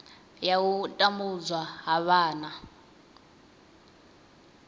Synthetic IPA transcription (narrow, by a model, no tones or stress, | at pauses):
jawutʼambud͡zwaɦaβaːna